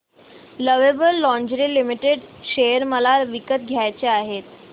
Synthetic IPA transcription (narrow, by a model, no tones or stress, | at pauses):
ləʋebəlːɔ̃ɲd͡ʑɾilimiʈeɖɕejəɾməlaʋikət̪ɡʱjajt͡ɕeaɦet̪